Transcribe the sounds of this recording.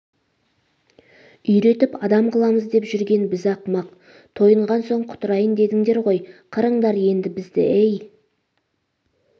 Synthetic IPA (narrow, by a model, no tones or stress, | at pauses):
ʏjɾe̞t̪ɪpɑd̪ɑmqʰəlˠɑməzd̪e̞pʒʏɾɡʲe̞nbɪzɑqmɑq̚ | t̪ʰo̞jəɴʁɑnso̞ɴqʰʊ̥t̪əɾɑjənd̪e̞d̪ɪŋd̪e̞ɾʁo̞jqʰəɾəɴd̪ɑɾje̞nd̪ɪbɪzd̪ɪ̰ʔej